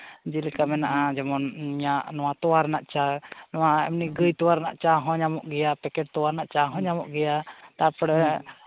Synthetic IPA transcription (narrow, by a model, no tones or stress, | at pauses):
d͡ʒilkamɛnaʔad͡ʒɔmɔnɲaʔnɔwat̪ɔwaɾnaʔt͡ʃanɔwaɛ̰mniɡəjt̪ɔwaɾna̰ʔt͡ʃaɦɔ̃ɲamɔʔɡɛjapɛkɛʈ̚t̪ɔwaɾnaʔt͡ʃaɦɔ̃ɲamɔʔɡɛjat̪apɽɛ